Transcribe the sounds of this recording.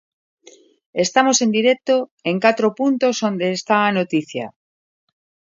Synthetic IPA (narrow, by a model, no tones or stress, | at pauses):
est̪amosend̪iɾɛk̚t̪oeŋkat̪ɾopunt̪osond̪eːst̪aːnot̪iθja̰